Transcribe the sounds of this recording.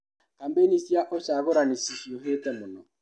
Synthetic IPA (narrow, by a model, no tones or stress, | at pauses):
kam̩benisiaʔɔt͡ʃaɣɔɾanisisioɦetemʊnɔ